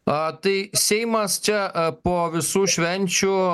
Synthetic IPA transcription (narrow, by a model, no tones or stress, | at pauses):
t̪ɨjsʲejmɐst͡ʃʲɐpoʋʲɪsuːʃʲʋʲɛnʲt͡ʃʊ